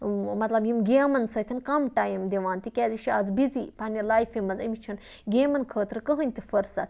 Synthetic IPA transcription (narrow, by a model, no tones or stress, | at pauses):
mɐt̪lɐbjimɡʲeːmɐnsɐt̪ʰinkɐmʈaːjimd̪ʲeʋaːnt̪ikʲɛːziʃiɐzbizipanʲilaːjfimɐzɐmʲit͡ʃʰun | ɡʲeːmɐnkʰəːt̪ɾɨkəɦɨnʲt̪ifɐɾsɐt̪